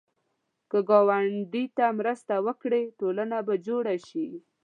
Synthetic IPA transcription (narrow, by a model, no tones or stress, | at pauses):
kəɡɑwaɳɖit̪amɾəst̪awəkɽeʈolanabad͡ʒoɽaʃi